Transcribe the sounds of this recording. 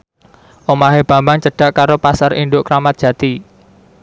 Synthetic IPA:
ʔomaɦeb̥ä̤mbaŋt͡ʃəɖ̥a̤ʔkaɾopasaɾinɖ̪ʊʔkɾamat̪̚dʒ̥ä̤t̪i

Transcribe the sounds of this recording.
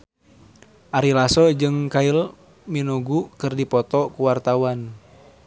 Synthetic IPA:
ʔaɾilasɔd͡ʒɨŋkail | minuɡukɨrdipɔt̪ɔkuwart̪awan

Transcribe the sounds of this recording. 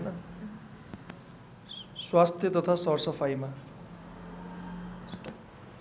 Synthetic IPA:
nʌ | swast̪ʰjʌt̪ʌt̪ʰasʌrsʌpʰajma

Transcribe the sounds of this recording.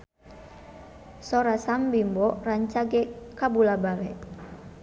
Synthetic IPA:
sɔɾasambimbɔraɲt͡ʃaɡɛkabulabawɛ

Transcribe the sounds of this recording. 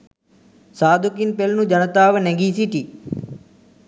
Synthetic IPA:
saːd̪ʱukinpelnũd͡ʒənət̪aːʋneɡiːsiʈi

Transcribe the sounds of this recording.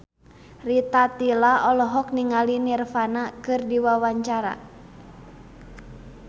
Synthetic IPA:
rit̪at̪ilaɔlɔɦɔkniŋalinirfanakɨrdiwawaɲt͡ʃaɾa̰

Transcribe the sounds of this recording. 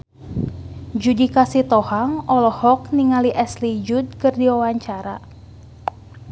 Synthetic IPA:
d͡ʒudikasit̪ɔhaŋʔɔlɔhɔkniŋaliʔɛslid͡ʒud̪̚kɨrdiwawaɲt͡ʃaɾa

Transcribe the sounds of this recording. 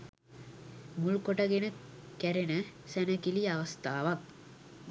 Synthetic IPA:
mulkoʈəɡenəkæɾenəsænəkiliaʋɐst̪aːʋak̚

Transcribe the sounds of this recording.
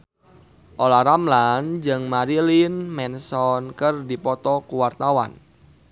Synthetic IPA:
ʔolahɾamland͡ʒɨŋmaɾilinmɛnsɔnkərdipɔt̪ɔkuwart̪awa̰n

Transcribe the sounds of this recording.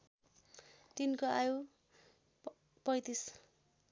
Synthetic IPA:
t̪inkoaju | pʌjt̪is

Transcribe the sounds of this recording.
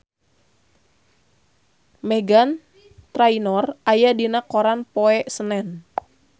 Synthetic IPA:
mɛɡan | t̪ɾainɔrajadinakoɾanpoɛʔsənɛn

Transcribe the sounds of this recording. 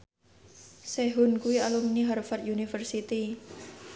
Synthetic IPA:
seɦʊnkuialuminiɦarfad̪junifərsit̪i

